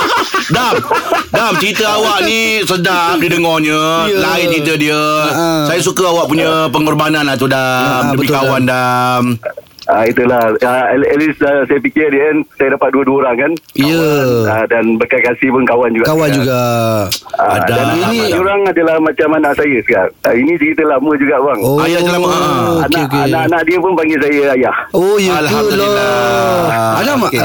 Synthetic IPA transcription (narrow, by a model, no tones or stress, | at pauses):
damdamt͡ʃəɾit̪əawaʔnisədamdidəŋɔhɲəjlaɪt͡ʃɾit̪ədiəsajas̬ukəawaʔpuɲəpəŋɔrbanãnat̪udaməbəmikawandamait̪ulahəɛlisəsajəpikɪrdiəansajədapat̪̚duəduəoɾaŋkanijəədanbərkajkasihpʊnkawand͡ʒuɡakawwand͡ʒuɡa | aadadaninioɾaŋadəlahmat͡ʃamanãʔsajəsəkarainĩt͡ʃəɾit̪əlahməd͡ʒuɡaʔbaŋoajaloaneok̬eʔaʔanaʔdiəpʊnpaŋɡɪs̬ajəajahojəlulɔ | adamaʔ